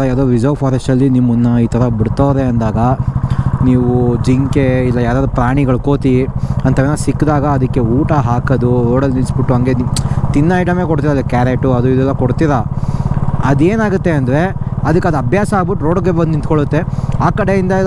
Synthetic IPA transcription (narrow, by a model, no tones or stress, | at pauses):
ɐjaːd̪oːʋid͡ʒɐʋpʰaːɾɐsʈɐlːinimːunːɐiːt̪ʰɐɾɐbiɽt̪aʋɾeɐnd̪aːɡɐ | niːʋud͡ʒiŋkeilːɐjaːɾaːd̪upɾaːɳ̃iɡɐɭuko̞ːt̪iɐnt̪ɐʋeːnɐsikːd̪aːɡɐːd̪ɐkːe̞uːʈɐɦaːkɐd̪uɾoːɽɐlninsbiʈːuɦɐŋɡent̪inːɐɐjʈɐme̞ːkoɽt̪iɾɐlkaːɾeʈuɐd̪uid̪ɛlːɐkoɽt̪iɾɐ | ɐd̪eːnaːɡut̪ːe̞ɐnd̪ɐɾe̞ɐd̪ɐkːɐd̪uɐbʱjaːsɐːɡbiʈːuɾo̞ːɖɡebɐnd̪int̪koɭut̪ːe̞aːkɐɽe̞ind̪ɐ